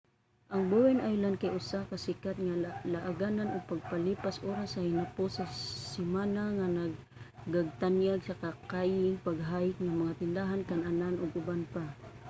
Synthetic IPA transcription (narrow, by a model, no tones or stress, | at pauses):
ʔaŋbuwɛnʔajlankajʔʊsakasɪkat̪̚ŋalaʔaɡananʔʊɡ̚paɡ̚palipasʔoɾashaɪnapʊsasɪmanaŋanaɡ̚ | ɡaɡ̚t̪anjaɡsakakajɪŋpaɡɦajɪk̚ŋamaŋat̪ɪnd̪aɦankanananʔʊɡʊbanpa